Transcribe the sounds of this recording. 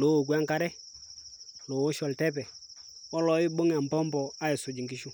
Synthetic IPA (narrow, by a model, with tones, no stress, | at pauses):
lo˦˨k̬wa˦ŋka˦ɾɛ˦ | lo˨o˦ʃɔ˨ltɛ˦pɛ˨ | ɔ˦lɔ˨˦ɪ˦bo˦ŋa˨mbɔ˦mbɔ˨a˦i˨sʊ˨d͡ʒɪ˨ŋɡɪ˦ʃu˦